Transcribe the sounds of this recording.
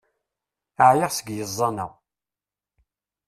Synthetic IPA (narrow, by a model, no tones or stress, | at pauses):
əʕjəʁsəɡjəzˤːɑnæ̰w